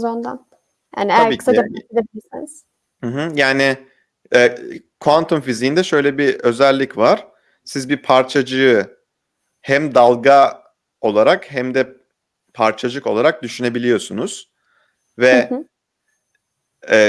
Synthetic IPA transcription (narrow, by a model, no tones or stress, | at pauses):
zond̪a̰n | ja̰ːniejaɾiːsaabed̪ebilʲiɾsiniz̥ | mɯ̃ɦ̩jaːnɪ | ɛː | kʰant̪ʰumfizijːnd̪ɛʃø̞jlʲɛbiø̞zælʲːicvaɾ̥ | sizbipʰaɾt͡ʃʰad͡ʒɯjɯ | hæmd̪alˠɡa | o̞lˠaɾakhæmd̪ɛ | pʰaɾt͡ʃʰad͡ʒɯko̞lˠaɾak̚d̪yʃyne̞bilʲijo̞sunuz̥ | vɛ | ɛ